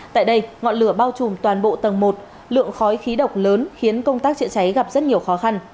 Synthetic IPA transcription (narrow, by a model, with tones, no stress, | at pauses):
t̪a̰ː˧˨jɗə˧jŋɔ̰˧˨nlɨ˧˩əɓaː˧wt͡ɕu˨˩mt̪waː˨˩nɓo̰˧˨t̪ə˨˩ŋmo˨˩t̚ | lɨ̰˧˨əŋxɔ˨˦jxi˨˦ɗə˨˩wk͡p̚ləː˨˦nxi˨˦ənkə˧wŋ͡mt̪aː˦˥k̚t͡ɕɨ̰˧˨t͡ɕa˨˦jɣa˨˩p̚zə˦˥t̚ɲi˨˩əwxɔ˨˦xa˧n